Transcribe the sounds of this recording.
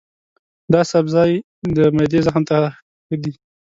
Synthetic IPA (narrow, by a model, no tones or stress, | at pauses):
d̪ɑsabzɑj | d̪əmad̪ezəxmt̪a | xəd̪i